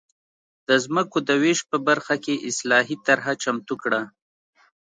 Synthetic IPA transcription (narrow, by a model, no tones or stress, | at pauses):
d̪̥əzməkod̪əweʃ̚pəbaɾxakeʔɪslɑɦit̪aɾɦat͡ʃamt̪ukɽa